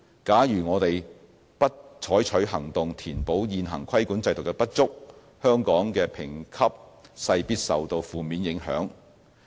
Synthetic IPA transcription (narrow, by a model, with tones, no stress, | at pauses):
kaː˨˥jyː˨˩ŋɔː˨˧t̪e˨j | pɐ˥t̚t͡ʃʰɔː˨˥jt͡ʃʰɵ˨˥ɥɦɐ˨˩ŋt̪ʊ˨ŋt̪ʰiː˨˩npo˨˥wjiː˨˧nɦɐ˨˩ŋkʰɐ˥jkuː˨˥nt͡sɐ˧jt̪ʊ˨˩kːɛ˧pɐ˥t̚t͡sʊ˥k̚ | hœː˥ŋkɔː˨˥ŋkɛː˧pʰɪ˨˩ŋkʰɐ˥p̚sɐ˧jpiː˥t̚sɐ̰˨wt̪o˧wfuː˨miː˨˧njɪ˨˥ŋɦœ̰ː˨˥ŋ